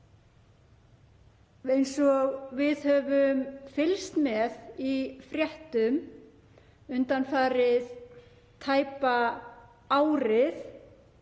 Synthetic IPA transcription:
ejnsɔɣvɪðhœvʏmfɪlst̪mɛðifɾjɛht̪ʏm | ʏnt̪anfaːɾɪð | t̪ʰaːjpa | aːwɾɪθ

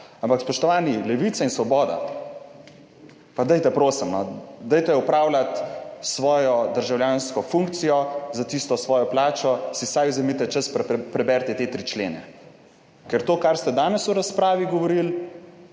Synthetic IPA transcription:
ampakspɔʃt̪ɔʋaːnilɛʋit̪sainsʋɔbɔːd̪a̰ | pad̪ɛjt̪ɛpɾoːsimnɔd̪ɛjt̪ɛupɾawlat̪sʋɔːjɔd̪əɾʒawljaːnskɔfuŋkt̪sijɔzat̪ist̪ɔsʋɔːjɔplaːt͡ʃɔsisajuzɛmit̪ɛt͡ʃəsppɾɛbɛɾt̪ɛt̪et̪ɾit͡ʃlḛːnɛ̰ | kɛɾt̪oːkaɾst̪ɛd̪aːnɛsuɾaspɾaːʋiɡɔʋɔɾil

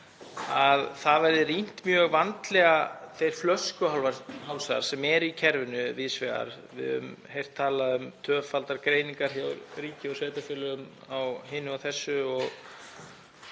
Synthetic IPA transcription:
aðθaðvɛɾðɪrin̥t̪mjœːɣvant̪lɛɣaθejɾ̥flœskʏɦawlvaɾhawlsaða̰ɾ̥sɛmɛɾicʰɛɾvʏnʏviːðsvɛɣa̰ɾ | vɪ̰ðʏ̰mhejr̥t̪ʰːaːlaðʏmt̪ʰœːfalt̪aɾkɾeːjniŋkaɾ̥hjawɾriːcɪɔseːjt̪afjɪːlʏɣʏm | awɦɪnʏawθɛsːʏɔɣ

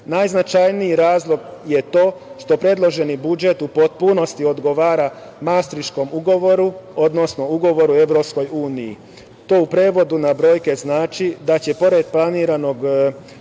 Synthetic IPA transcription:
najznat͡ʃajnijiɾaːzlˠo̞ɡje̞t̪o̞ːʃt̪o̞pɾe̞d̪lˠo̞ʒe̞nibud͡ʒe̞t̪upo̞t̪̚puno̞st̪io̞d̪ɡo̞ʋaːɾa | mast̪ɾiʃko̞muɡo̞ʋo̞ɾuo̞d̪no̞sno̞uɡo̞ʋo̞ɾue̞ʋɾo̞psko̞juːnijḭ | t̪o̞ːupɾe̞ːʋo̞d̪unabɾo̞ːjke̞znaːt͡ʃid̪at͡ɕe̞po̞ɾe̞d̪plˠaniːɾano̞ɡ

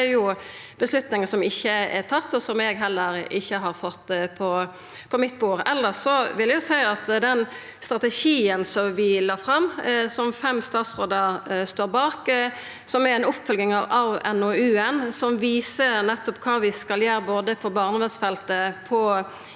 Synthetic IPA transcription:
ɛjʊb̥əslʉt̪nɪŋəsɔmɪçːəɛt̪ʰɑt̪ːɔsɔmɛɡɦɛlːəɾʔɪçːəɦɑɾfɔt̪ːpʰɔ | pʰɔmɪt̪̚ːbuːɾɛlːəsɔʋɪljɛjʊsæɪɑt̪d̪ɛn | st̪ɾɑt̪ɛʃiːənsɔmʋɪlɑːfɾɑmːsɔmfɛmːst̪ɑːt̪sɾoːd̪əst̪oːɾbɑːk | sɔmæɛnʊpːfœlɡɪŋɑʋɑʋɛnoʉːɛnsɔmʋiːsəɾnɛt̪ːɔpkʰɑːʋɪskɑljøːɾəboːd̪əpʰɔbɑːʁnəʋɛnsfɛlt̪əpʰɔ

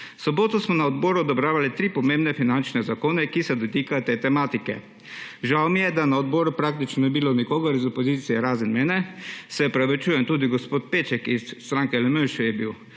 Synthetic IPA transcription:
sɔboːt̪ɔsmɔnaɔd̪bɔːɾuɔd̪ɔbɾaːʋalit̪ɾiːpɔmẽmbnɛfinant͡ʃnɛzakoːnɛkisɛd̪ɔt̪iːkajɔt̪eːt̪ɛmaːt̪ikɛ̰ | ʒawmijɛd̪anaɔd̪bɔːɾupɾaːk̚t̪it͡ʃnɔnibilonikoːɡɐɾizɔpɔziːt̪sijɛɾaːzənmɛːnɛsɛɔpɾɛʋɛt͡ʃuːjɛmt̪uːd̪iɡospoːt̪̚peːt͡ʃɛkist̪ɾaːŋkɛlɛmøʃjɛbiw

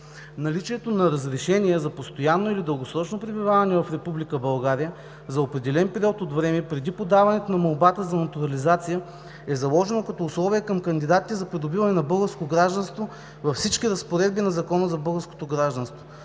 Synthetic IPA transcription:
nɐlit͡ʃiɛt̪onɐɾəzɾɛʃɛniɛzɐpost̪ojanːoilid̪əlˠɡosɾɔt͡ʃnopɾɛbivavɐnɛvɐfɾɛpublikəbɐlˠɡaɾijə | zɐopɾɛd̪ɛlɛnpɛɾiɔt̪ot̪vɾɛmɛpɾɛd̪ipod̪avɐnɛt̪onɐmɐlˠbat̪əzɐnɐt̪uɾɐlizat̪sijə | ɛzɐlˠɔʒɛnokɐt̪ɔʊslˠɔviəkəmkɐnd̪id̪at̪i̥t̪ɛzɐpɾid̪obivɐnɛnɐbɤlˠɡəɾskoɡɾaʒd̪ɐnst̪vo | vɐfsit͡ʃkʲiɾəspoɾɛd̪̚binɐzɐkɔnəzɐbɤlˠɡəɾsko̥t̪oɡɾaʒd̪ɐnst̪vo

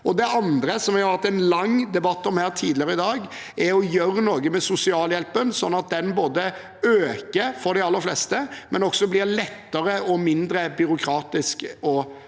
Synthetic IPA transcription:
ʔɔd̪ɛʔɑnd̪ɾəsɔmæʊɾhɑt̪ːɛnlɑŋːd̪ɛbɑt̪ːɔmhæːɾt̪ʰiːd̪lɪəɾəɪd̪ɑːɡ | ɛɔjøɾənoːɡəmɛsʊsɪɑːljɛlpənsɔnːɑt̪̚d̪ɛnboːd̪ə | øːkəɾfɔɾd̪ɛɑlːəɾflɛst̪əmʔɛnɔksɔblɪɾlɛt̪ːəɾəɔmɪnd̪ɾəbʏɾʊkʰɾɑːt̪ɪskɔ

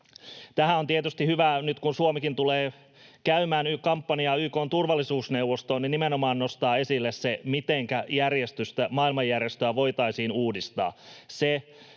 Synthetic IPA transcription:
t̪æɦæo̞nt̪iet̪yst̪ihyʋænyt̪kunsuomikint̪uleː | kæymæːnykɑmpːɑniɑːyːkoːnt̪urʋɑlːisuːsnewʋːost̪oːninːimenomɑːnːo̞st̪ɑːe̞silːessemit̪eŋkæjærjest̪yst̪æmɑːilmɑjːærjest̪øæʋo̞ijt̪ɑisiːnuːdist̪ɑ̰ːse

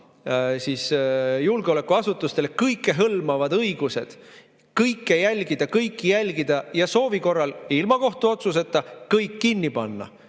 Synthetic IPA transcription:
siːsjulɡ̥eolekːˑuɑsut̪ːˑust̪e̞lekɤjkːˑe̞ɦɤlmɑvɑd̪ɤjɡ̥use̞̰d̪̥ | kɤjkːˑe̞jælʲɡid̪̥ɑkɤjkːijælʲɡid̪̥ɑjɑso̞ːviko̞rːɑlilmɑko̞ht̪uo̞t̪sus̬e̞t̪ːˑɑkɤjkːinːipɑnːɑ̰

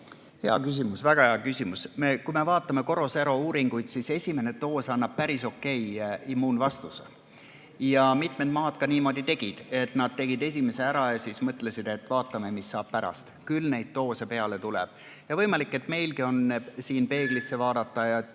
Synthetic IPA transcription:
heɑ̰kys̬ʲimusvæɡ̥ɑheɑkysʲimusme̞kujme̞vɑːt̪ːˑɑme̞ko̞ɾo̞seɾo̞uːɾiŋɡ̥ujd̪̥sise̞sʲime̞ne̞t̪o̞ːsɑnːɑb̥̚pæɾiso̞kːe̞jimːuːnvɑst̪use | jɑmit̪med̪mɑːd̪̥kɑniːmo̞d̪it̪e̞ɡ̥id̪̥e̞t̪ˑnɑd̪̚t̪ːe̞ɡid̪e̞s̬ʲime̞se̞æɾɑjɑsismɤt̪ˑle̞sid̪̥e̞t̪ːvɑːt̪ːˑɑme̞misːɑːb̥̚pæɾɑ̰st̪kylnejd̪̥̚t̪o̞ːsepe̞ɑle̞t̪ulɛ̰b̥ | jɑvɤjmɑlikːˑe̞t̪me̞jlkio̞nsiːnpe̞ːɡ̥lisːe̞vɑːd̪ɑt̪ːɑjɑ

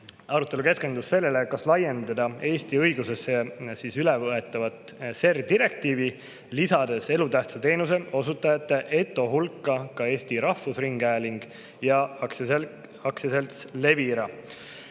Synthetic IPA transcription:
ɑɾut̪ːˑe̞luke̞ske̞nd̪usse̞lːelekɑslɑje̞nd̪̥ɑd̪ɑe̞ːst̪iɤjɡuse̞sːesiːsylɛvɤe̞t̪ːˑɑvɑt̪se̞rd̪iɾe̞k̚t̪iːvi | lisɑd̪̥e̞se̞lut̪æht̪sɑt̪e̞ːnuse̞o̞sut̪ːˑɑjɑt̪ːˑeʔe̞t̪ˑːo̞ɦulkːˑɑkɑe̞ːst̪iɾɑhfusriŋɡæeliŋɡ̥ | jɑ | ɑksese̞lt̪sle̞viɾɑ

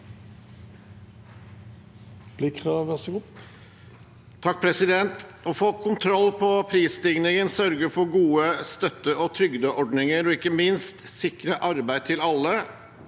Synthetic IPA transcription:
b̥lɪkʰʁɑːʋʋæʁsɡu | t̪ʰɑk̚ːpʰɾɛsɪd̪ɛnt̪ɔfoːkʰʊnt̪ʰɾɔlːpʰɔpʰɾiːst̪ɪŋnɪŋənsœɾɡəfɔɡuːəst̪œt̪ːəʔɔt̪ʰɾʏɡd̪əʔɔɖnɪŋəɾɔɪkːəmɪnst̪sɪkɾəʔɑɾbæɪt̪ʰɪlɑlːə

